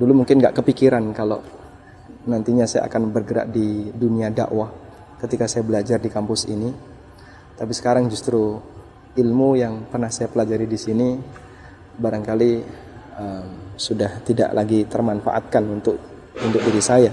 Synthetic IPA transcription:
dulumuŋkɪnɡa̰ʔkəpikiɾankalo | nant̪iɲasaja̰ʔa̰kanbərɡəɾa̰ʔ̚diduniada̰ʔwa | kət̪ikasajabəlad͡ʒardikampʊsḭni | t̪ap̬isə̥kaɾaŋd͡ʒust̪ɾu | ilmujaŋpərnahsajapəlad͡ʒaɾidisini | baɾaŋkali | əmsudaht̪ida̰ʔlaɡit̪ərmanfa̰ʔa̰t̪̚kanunt̪ʊk̚ | unt̪ʊk̚biɾisaja

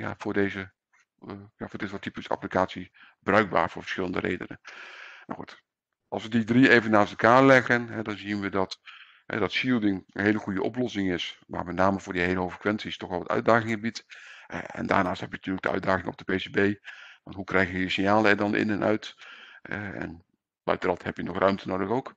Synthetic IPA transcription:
ja̰fʊːɹdeːzə | jafʊːɹdɪtʋɔtipəsa̰plikaːtsi | bərœɥɡ̚ba̰ːrvʊːɹvə̥ɹsxɪləndərʔḛːdə̰nə̰ma̰wxṵt | ɑ̰lˠsʋədidrieːvənːaːstɛlˠkaːɹlɛɣənɦɛdɑnziənʋədɑt | hɛ̰dɑtʃilˠdɪŋənɦeːləχujəʔɔplɔsɪŋɪsma̰ːɹmɛtnaːməvʊːɹdiɦejləɦoːfə̥kʋɛnsistɔxʋɛlˠʋətœ̰ɥdaːɣɪŋəbit | ɛ̰nda̰ːɹnaːsthɛpjənatyːrlək̚ɡd̥əœ̰ɥdaːɣɪŋɔ̰bdəpeːsebejʋɑ̰ntɦukrɛjχjəjəsɪnjaːlˠəɛɹdɑnʔɪ̰nɛnʔœ̰ɥthɛ̰ɛ̰n | bœ̰ɥtərɑthɛpjənɔχrœɥmtʰənowdəxowk

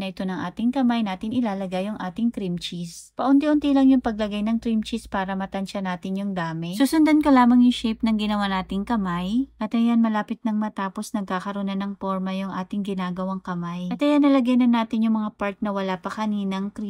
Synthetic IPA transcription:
nɐʔɪt̪o̞nɐŋʔaːt̪ɪŋkɐmajnaːt̪ɪnʔɪlaːlɐɡajʊŋʔaːt̪ɪŋkɾimt͡ʃispɐʔʊnt̪iʔʊnt̪ilɐŋjʊŋpɐɡ̚lɐɡajnɐŋkɾimt͡ʃispaːɾɐmɐt̪ɐnʃɐnaːt̪ɪnjʊŋd̪aːmɪsusʊnd̪ɐnkɐlaːmɐŋjʊŋʃɛpnɐŋɡɪnɐwanaːt̪ɪŋkɐmajʔɐt̪ɐjanmɐlaːpɪt̪̚nɐŋmɐt̪aːpo̞snɐɡ̚kaːkɐɾonɐnɐŋpoɹmɐjʊŋʔaːt̪ɪŋɡɪnaːɡɐwɐŋkɐmajɐt̪ʔɐjanːɐlɐɡajnɐnːaːt̪ɪnjʊŋmɐŋapaɾt̪̚nɐwɐlapɐkɐniːnɐŋkɾi

